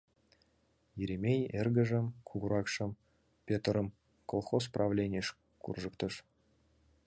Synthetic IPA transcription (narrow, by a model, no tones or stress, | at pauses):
jeɾʲemʲejerɡə̆ʒɘ̆mkʰuɣuɾɑkʂɤ̆m | pʲet̪rɤ̆m | kolˠχos̬prʔɑvlʲenʲiʃ | kṵrʒɤ̆kt̪ɤ̆ʂ